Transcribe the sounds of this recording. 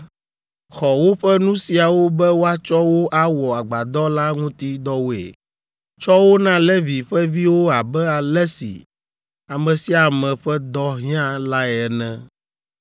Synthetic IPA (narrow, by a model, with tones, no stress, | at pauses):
xɔ˨wo˦ɸɛ˦nũ˦si˨a˨wo˦bɛ˦wo˦a˦t͡ʃɔ˦wo˦ʔa˦wɔ˨a˨ɡ͡ba˨d̪ɔ˦la˦ŋũ˦t̪i˦d̪ɔ˦wo˦ḛ˨ | t͡ʃɔ˦wo˦nã˦lɛ˦vi˨ɸɛ˦vi˦wo˦a˨bɛ˦a˨lɛ˦sḭ˨ | a˨mɛ̃˨si˦a˨mɛ̃˨ɸɛ˦d̪ɔ˦ɦĩ˦ã˦la˦ɛ˨ɛ˨nɛ̃˦